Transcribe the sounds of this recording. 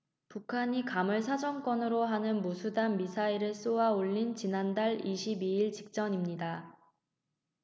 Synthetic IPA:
pukʰaɲikamɯɭsʰad͡ʑʌŋk͈wʌnɯɾoɦanɯnmusʰudanmisʰaiɾɯɭs͈owaoʎːint͡ɕinandaɭiɕʰibiiɭt͡ɕik̚t͡ɕ͈ʌɲimɲida

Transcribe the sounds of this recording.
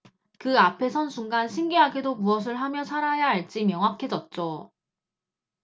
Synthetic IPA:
kɯapʰe̞sʰʌnsʰuŋɡanɕʰiŋɡeɦaɡedomuʌs̬ʰɯɭɦamjʌsʰaɾajaɦaɭt͡ɕ͈imjʌŋɦap̚kʰe̞d͡ʑʌt̚t͡ɕ͈o

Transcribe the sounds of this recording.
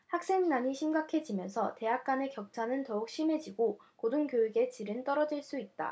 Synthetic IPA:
hak̚s͈e̞ŋnaɲiɕʰimɡakʰe̞d͡ʑimjʌnsʰʌte̞ɦak̚k͈ane̞kjʌk̚t͡ɕʰanɯntʌuk̚ɕ͈ime̞d͡ʑiɡokoduŋɡjoiɡe̞t͡ɕiɾɯnt͈ʌɾʌd͡ʑiɭs͈uit̚t͈a̰

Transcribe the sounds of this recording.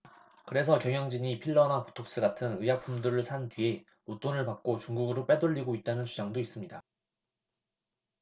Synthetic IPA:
kɯɾe̞sʰʌkjʌŋjʌŋd͡ʑiɲipʰiɭːʌnapo̥tʰok̚s͈ɯɡatʰɯnɯjak̚p͈ʰumduɾɯɭsʰantɥie̞ | ot͈onɯɭpak̚k͈ot͡ɕuŋɡuɡɯɾop͈e̞dɯʎːiɡoit̚t͈anɯnsʰud͡ʑaŋdois͈ɯmɲida

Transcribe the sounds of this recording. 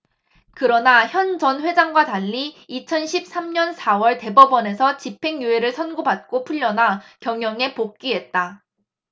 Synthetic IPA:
kɯɾʌnaçjʌnd͡ʑʌnɸwe̞d͡ʑaŋɡwataʎːiit͡ɕʰʌnɕʰip̚s͈amɲʌnsʰawʌɭte̞bʌbʌne̞sʰʌt͡ɕipʰe̞ŋjue̞ɾɯɭsʰʌnɡobat̚k͈opʰuʎːʌnakjʌŋjʌŋe̞pok̚k͈iɦe̞t̚t͈a

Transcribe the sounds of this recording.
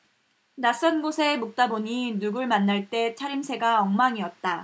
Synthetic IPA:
nas͈ʌnɡosʰe̞muk̚t͈aboɲinuɡɯɭmanːaɭt͈e̞t͡ɕʰaɾimsʰe̞ɡaʌŋmaŋiʌt̚t͈a

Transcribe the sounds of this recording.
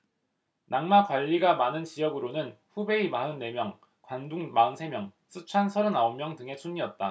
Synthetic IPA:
naŋmakwaʎːiɡamanɯnt͡ɕijʌɡɯɾonɯnɸube̞imaɯnːe̞mjʌŋ | kwanduŋmaɯnsʰe̞mjʌŋ | s͈ɯt͡ɕʰansʰʌɾɯnaommjʌŋdɯŋe̞sʰuɲiʌt̚t͈a

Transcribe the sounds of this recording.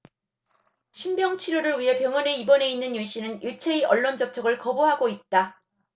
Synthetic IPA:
ɕʰimbjʌŋt͡ɕʰiɾoɾɯɭɥiɦe̞pjʌŋʌne̞ibʌne̞inːɯnjuɕ͈inɯniɭt͡ɕʰeiʔʌɭːond͡ʑʌp̚t͡ɕʰʌɡɯɭkʌboɦaɡoit̚t͈a

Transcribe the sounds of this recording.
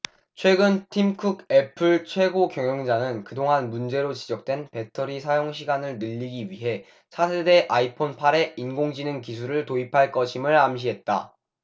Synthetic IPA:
t͡ɕʰwe̞ɡɯntʰimkʰuɡe̞pʰɯɭt͡ɕʰwe̞ɡokjʌŋjʌŋd͡ʑaŋɯnkɯdoŋɦanmund͡ʑe̞ɾot͡ɕid͡ʑʌk̚t͈we̞npe̞tʰʌɾisʰajoŋɕʰiɡanɯɭnɯʎːiɡiɥiɦe̞ | sʰasʰede̞ʔaipʰonpʰaɾe̞inɡoŋd͡ʑinɯnkis̬ʰuɾɯɭtoipʰaɭk͈ʌɕʰimɯɭamɕ̬ʰiɦe̞t̚t͈a̰

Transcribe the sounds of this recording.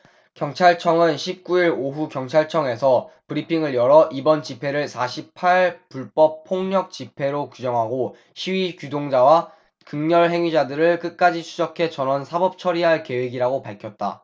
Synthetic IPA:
kjʌŋt͡ɕʰaɭt͡ɕʰʌŋɯnɕʰip̚k͈uiɾoɦukjʌŋt͡ɕʰaɭt͡ɕʰʌŋe̞sʰʌpɯɾipʰiŋɯɭjʌɾʌʔibʌnt͡ɕipʰe̞ɾɯɭsʰaɕʰipʰaɭpuɭp͈ʌp̚pʰːoŋɲʌk̚t͡ɕipʰe̞ɾokud͡ʑʌŋɦaɡo | ɕʰiwikjudoŋd͡ʑawa | kɯŋɲʌɭɦe̞ŋɥid͡ʑadɯɾɯɭk͈ɯk͈ad͡ʑit͡ɕʰud͡ʑʌkʰe̞t͡ɕʌnʌnsʰabʌp̚t͡ɕʰʌɾiɦaɭke̞weɡiɾaɡopaɭkʰjʌt̚t͈a̰

